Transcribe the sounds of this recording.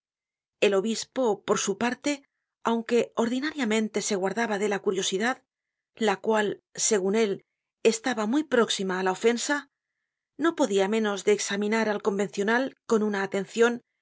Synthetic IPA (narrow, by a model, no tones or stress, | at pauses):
e̞lo̞βispo̞po̞ɾsupaɾt̪e̞ | awŋke̞o̞ɾðinaɾjamẽ̞nt̪e̞se̞ɣwaɾðaβaðe̞lakuɾjo̞siðað | lakwalse̞ɣ̞une̞l | e̞st̪aβamujpɾo̞ksimaːlaofe̞nsa | no̞po̞ðiamẽ̞no̞zðe̞ːksamĩnaɾalko̞mbe̞nθjo̞nalko̞nunaːt̪e̞nθjo̞n